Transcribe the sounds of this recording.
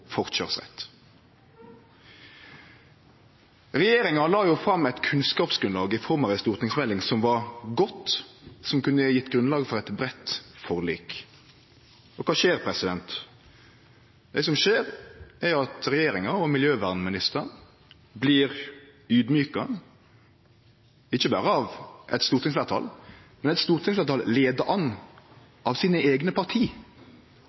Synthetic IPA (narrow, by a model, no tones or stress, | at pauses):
fɔʁt̪ʃɑʁsʁɛ̰t̪ː | ɾɛjeːɾɪŋɑlɑːjʊfɾɑmːɛɪt̪kʰʉnskɑːpsɡɾʉnlɑːɡɪfɔɾmɑʋɛst̪uːʁt̪nɪŋsmɛlːɪŋsɔmʋɑɾɡɔt̪ːsɔmkʉnəjɪt̪ːɡɾʉnlɑːɡfɔɾɛt̪bɾɛt̪ːfɔɾliːk | ɔkʰɑːʃeːɾpʰɾɛsɪd̪ɛnt̪ | d̪ɛsɔmʃeːɾʔɛɑt̪ɾɛjeːɾɪŋɑɔmɪljøːʋæʁnmɪnɪst̪ən | bliːɾ | ʉːd̪mjyːkɑ | ɪçːəbɑ̰ːɾəɑʋʔɛ̰t̪st̪uːɾt̪ʰɪŋslʋæʁt̪ʰɑ̰ːlmɛnɛt̪st̪uːɾt̪ʰɪŋslæːt̪ʰɑlleːd̪əʔɑnː | ʔɑʋsiːnəeːɡnəpʰɑʁt̪ʰiː